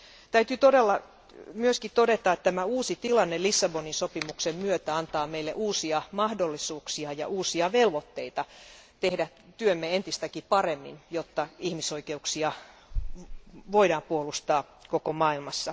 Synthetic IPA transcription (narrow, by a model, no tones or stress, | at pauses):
t̪æyt̪yt̪oɾelːɑ | myøskit̪odet̪ɑet̪t̪æmæuːsit̪ilɑnːelisːɑboninsopimuksemmyøt̪æɑnt̪ɑːmeilːḛʔuːsiɑmɑhdolːisuːksiɑjɑ̰ʔuːsiɑʋelʋot̪ːeit̪ɑt̪ehdæ | t̪yømːeent̪ist̪ækipɑremːḭnjot̪ːɑihmisoikeuksiɑ | ʋoiɾɑːmpuolust̪ɑː | kokomɑːilmɑsːɑ